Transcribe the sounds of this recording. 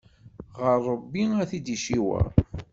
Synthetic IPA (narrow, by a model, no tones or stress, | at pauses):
ʁəɾˤːəbːiæθid̪iʃiwæ̰